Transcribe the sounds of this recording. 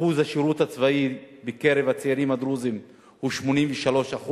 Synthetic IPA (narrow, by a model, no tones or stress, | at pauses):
uzaʃiɾut̪hat͡svai | bekeɾevat͡seiɾimad̪ɾuzim | huʃmo̞nimveʃalo̞ʃaχu